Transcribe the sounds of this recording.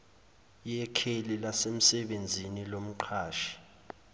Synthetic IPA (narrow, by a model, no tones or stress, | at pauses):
jɛkʰelilasem̩sɛɓend͡zʱinilom̩ǃʰaːʃi̥